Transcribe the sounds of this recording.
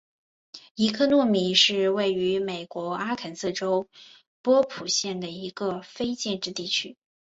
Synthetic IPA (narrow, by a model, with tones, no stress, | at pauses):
i˧˥kʰɤ˥˧nwɔ˥˩mi˨˩˦ʂɻ̩˥˧we˥˩ɪy˧˥me˨˩ɪkwɔ˧˥a˥kʰə˨˩nsɤ˥˩ʈ͡ʂo˥ʊ | pwɔ˥pʰu˨˩ɕjɛ˥˩nd̪ə˩i˧˥ɡə˧fe˥ɪt͡ɕjɛ˥˧nʈ͡ʂɻ̩˥˧t̪i˥˩t͡ɕʰy˥